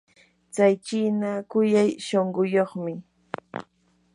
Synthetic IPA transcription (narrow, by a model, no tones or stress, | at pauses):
t͡sajt͡ʃinakʊjajʃoɴɢʊjoχmɪ